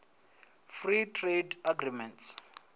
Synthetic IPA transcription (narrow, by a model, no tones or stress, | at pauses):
fritʰredaɡrimɛnts